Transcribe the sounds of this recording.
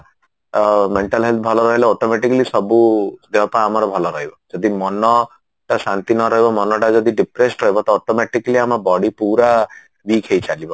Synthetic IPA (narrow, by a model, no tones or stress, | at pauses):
meɳʈalɦelt̪̚bʱɔlɔɾɔɦileɔʈɔmeʈikalisɔbud̪eɔpaːmɔɾɔbʱɔlɔɾɔɦibɔd͡ʒɔd̪imɔnɔ | ʈasant̪inɔɾɔɦibɔmɔnɔʈad͡ʒɔd̪iɖipɾesʈɾɔɦibɔt̪ɔoʈɔmeʈikaliamɔbɔɽipuɾa | bikʰejt͡ʃalibɔ